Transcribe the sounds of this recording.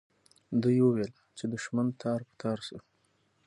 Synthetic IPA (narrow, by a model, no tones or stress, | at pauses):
d̪ujwəwel | t͡ʃed̪əʃmand̪̚t̪ʰɑɾpə̥t̪ʰɑɾsə